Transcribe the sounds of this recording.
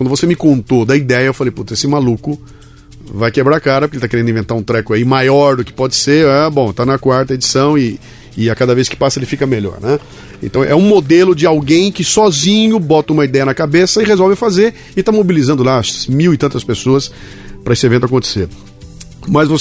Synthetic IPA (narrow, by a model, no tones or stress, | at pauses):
wɐ̃nd̪ʊvosemɪkõnt̪od̪ɐid̪ɛjɐewfalejput̪ɐesɪmalukʊ | vajkebɾakaɾɐpʊɾkelɪt̪akeɾẽnd̪ĩvẽt̪aɾũt̪ɾɛkʊaimajɔɾd̪ʊkɪ̥pɔd͡ʒɪseɾabõt̪anɐkwaɾt̪ɐed͡ʒisɐ̃w̃ɪ | ɪakad̪ɐveskɪ̥pasɐeɪlɪfikɐmeʎɔ̰ɾnɛ | ḛ̃nt̪ɐ̃w̃ʔɛũmod̪elʊd͡ʒɪawɡẽj̃kɪsɔzĩɲʊbɔt̪ɐũmɐid̪ɛjɐnɐkabesɐɪʁezɔwvɪfazeɾ | ɪt̪amobilizɐ̃nd̪ʊlamiwɪt̪ɐ̃nt̪ɐspesoɐs | pɾɐesɪevẽt̪ʊak̬õnt̪e̥seɾ | mɐzvo